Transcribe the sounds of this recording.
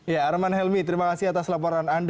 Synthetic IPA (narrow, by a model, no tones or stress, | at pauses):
jaːɾmanɦɛlmit̪əɾimakasiɦat̪aslapɔɾanand